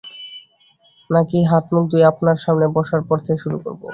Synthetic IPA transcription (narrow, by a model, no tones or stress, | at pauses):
nakiɦat̪muk̚d̪ueapnaɾʃamnebɔʃaɾpɔɾt̪ʰekʃuɾuko̰ɾbo̰